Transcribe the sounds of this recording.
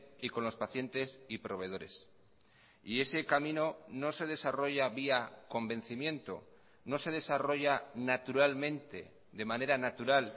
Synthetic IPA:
iko̞nlo̞spaθje̞nt̪e̞sipɾo̞β̞e̞ð̞o̞ɾe̞̰s | ie̞se̞kamĩno̞no̞se̞ðe̞saro̞ʝaβiako̞mbẽ̞n̟θimjẽ̞nt̪o̰ | no̞se̞ð̞e̞saro̞ʝanat̪uɾalmẽ̞nt̪e̞̰ | ðe̞mãne̞ɾanat̪uɾal

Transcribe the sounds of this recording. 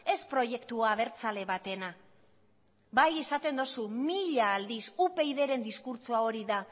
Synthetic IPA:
e̞spɾo̞je̞kt̪uaːβe̞ɾt͡sale̞βat̪e̞na | baje̞sat̪e̞nd̪osumiʎaːld̪isupe̞jðe̞ɾe̞nd̪iskuɾt͡suao̞ɾiða

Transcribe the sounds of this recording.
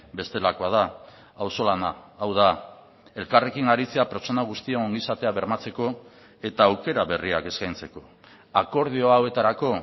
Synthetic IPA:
be̞st̪e̞lako̞að̞a | awso̞lanaawða | e̞lkare̞kiŋɡaɾit͡se̞ape̞ɾt͡so̞naɣ̞ust̪iaoŋɡisat̪e̞aβe̞ɾmat͡se̞ko̞ | e̞t̪aːwke̞ɾaβe̞riake̞skajnt͡se̞ko̞ | ako̞ɾðioaowe̞t̪aɾako̞

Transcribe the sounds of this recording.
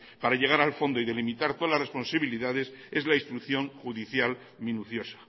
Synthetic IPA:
paɾaʝe̞ɣaɾalfo̞nd̪o̞iðe̞limit̪aɾt̪oalasre̞spo̞nsaβiliðað̞e̞se̞zlaist̪ɾukθjo̞ŋxuðiθjal | mĩnuθjo̞sḁ

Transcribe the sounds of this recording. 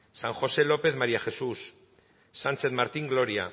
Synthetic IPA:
saŋxo̞se̞lo̞pe̞θmaɾiaxe̞susː | ant͡se̞ðmaɾt̪iŋɡlo̞ɾia̰

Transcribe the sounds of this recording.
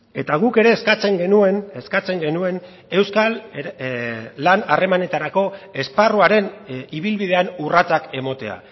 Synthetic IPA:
e̞t̪aɣ̞uke̞ɾe̞ːskat͡se̞ŋɡenueneskat͡se̞ŋɡe̞nue̞n | e̞wskal | lːanare̞mane̞t̪aɾako̞e̞sparuaɾe̞niβilβið̞e̞anurat͡sake̞mo̞t̪e̞a̰

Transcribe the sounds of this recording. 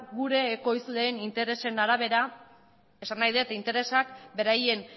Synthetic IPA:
ɡuɾe̞ːko̞jsuðeːnint̪e̞ɾe̞se̞naɾaβ̞e̞ɾa | e̞sanːajðet̪int̪e̞ɾe̞sakbe̞ɾaje̞n

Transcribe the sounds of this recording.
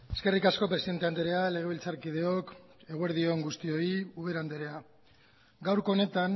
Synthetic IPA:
e̞ske̞rikasko̞pɾesiðe̞nt̪eand̪eɾe̞ale̞ɣ̞e̞β̞ilt͡saɾkið̞e̞o̞k | e̞ɣue̞ɾðio̞ŋɡust̪io̞iuβ̞e̞ɾand̪eɾe̞a | ɡawɾko̞ːne̞t̪an

